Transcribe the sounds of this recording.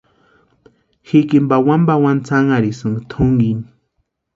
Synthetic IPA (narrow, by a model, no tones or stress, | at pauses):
xikimbawambawant͡saŋaɾisɨŋt̪ʰuŋɡini